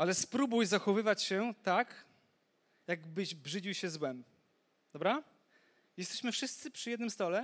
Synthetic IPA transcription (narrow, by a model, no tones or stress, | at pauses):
alɛspɾubujzaxɔvɘvat͡ɕɕɛt̪ak | jaɡbɘʑbʐɘd͡ʑiwɕɛzwɛm | d̪̥ɔbɾa | jɛst̪ɛɕmɘfʂɘst̪sɘpʂɨjɛd̪nɘmst̪ɔlɛ